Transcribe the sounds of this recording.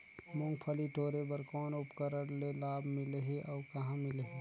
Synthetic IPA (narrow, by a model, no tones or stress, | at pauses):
mʊ̃ŋɡpʰəliʈoːɾebəɾkɔːnʊpkəɾəɾlelaːbmɪleɦeʔɔːkɐɦãmɪleɦeː